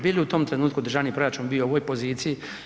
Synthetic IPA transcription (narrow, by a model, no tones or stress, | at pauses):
biːliut̪oːmt̪ɾenuːt̪̚kuod̪r̩ʒaʋnipɾojat͡ʃuːnbijooʋoːjpoziːt̪siji